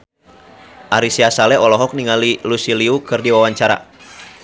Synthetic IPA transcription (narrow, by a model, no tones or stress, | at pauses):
ʔaɾisiasalɛɔlɔɦɔk̚niŋalilusiliukɨrdiwawaɲt͡ʃaɾa̰